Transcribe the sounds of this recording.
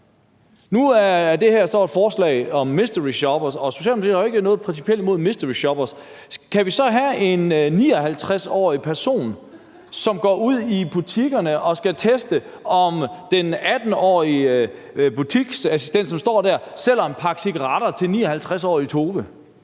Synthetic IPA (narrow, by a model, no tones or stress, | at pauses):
nuæɐɐd̥e̝hæɐsd̥ɒ̰ːed̥fɒːslɛ̰ɪɒ̽mːisd̥əʁiɕɒb̥ɐsɒ̽so̝ɕɛ̰ːlmot͡sʰḭðˠɐhɑe̝ɡ̥ənɔ̽ːð̩ˠpʰʁɛnsipʰiel̰d̚mo̝ð̰ˠmisd̥əʁiɕɒb̥ɐs | kʰæʋisɒ̽ɦæe̝nːiːɒ̽ɦælt͡sʰʁasɒ̰ːipʰæɐso̝̰ːn | sɒ̽mɡ̥ɒ̰ːuð̞̰ˠib̥ut͡sʰiɡ̥ɐnəʔɒ̽sɡ̥æt͡sʰesd̥ə | ɒ̽md̥enæd̥n̩ɒ̰ːi | b̥ut͡sʰiɡ̥sæsisd̥en̰d̥sɒ̽msd̥ɒ̰ːd̥æɐsel̰ɒenpʰɑ̈ɡ̥sʰiɡ̥ʁɑɾ̥ɐt͡sʰe̝lnḭːɒhælt͡sʰʁasɒ̰ːit͡sʰo̝ːʋə